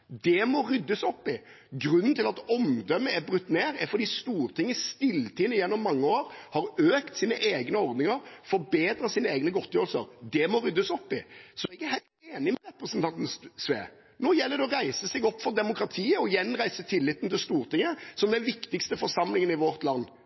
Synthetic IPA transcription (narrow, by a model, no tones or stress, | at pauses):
d̪ɛmɔɾʏd̪ːəsɔpːɪ | ɡɾʉnːn̩t̪ɪlɑt̪ɔmd̪œmːəæɾbɾʉt̪ːneːɾæɾfɔɾd̪iːst̪uːɾt̪ʰɪŋːəst̪ɪlt̪ʰiːnəjɛnːɔmːɑŋːəoːɾhɑɾøːkt̪siːnə̰ʔeːɡnəɔɾd̪nɪŋəɾfɔɾbeːd̪ɾɑsiːnəeːɡnəɡɔt̪ːəjøːɾəlsə̰ɾd̪ɛmɔɾʏd̪ːəsɔpːɪsɔɛɡæɾhæɪlt̪eːnɪmɛɾɛpɾəsnt̪ɑnt̪n̩sʋḛː | noːjɛlːəɾd̪ɛɔɾæɪsəsɛɡɔpːfɔɾd̪ɛmʊkɾɑt̪ʰiːəɔjɛnːɾæɪsət̪ʰɪlːɪt̪ːnt̪ɪlst̪uːɾt̪ʰɪŋːəsɔmd̪ɛnʋɪkt̪ɪkst̪əfɔɾsɑmlɪŋənɪʋɔɾt̪lɑnː